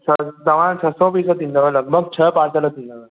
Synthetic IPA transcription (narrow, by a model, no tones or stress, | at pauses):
sʰəd̪əʋãt͡ɕʰəsɔ̃pisət̪ind̪əʋələɡ̚bʱəɡ̚t͡ɕʰəpãt͡sələt̪ind̪əʋə